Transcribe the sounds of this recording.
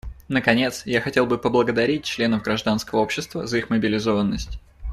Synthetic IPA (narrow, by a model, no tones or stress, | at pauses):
nəkɐnʲe̞t̪sjaxɐtʲe̞lˠbɨpəblˠəɡəd̪ɐɾʲit̚ʲt͡ɕlʲe̞nəvɡɾɐʐd̪anskəvəo̞pɕːɪst̪vəzɐixməbʲɪlʲɪzo̞vənːəsʲtʲ